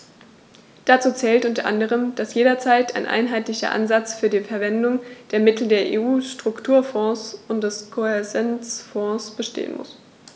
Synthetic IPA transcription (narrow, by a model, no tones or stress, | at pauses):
d̥at͡suːt͡sɛːltʔʊntɐʔandəʁ̞əmd̥asjeːdɐt͡saɪtʰa̰ɪnʔa̰ɪnɦaɪtlɪçɐ̰ʔa̰nzat͡sfyːɐdiːfɛɐvɛndʊŋd̥eːɐmɪtl̩deːɐʔḛːʔuːʃtʁ̥ʊktʰuːɐfɔ̃ːsʔʊntd̥ɛskʰoɛɐzɛnt͡sfɔ̃ːsb̥əʃtḛːə̰nmʔʊ̰s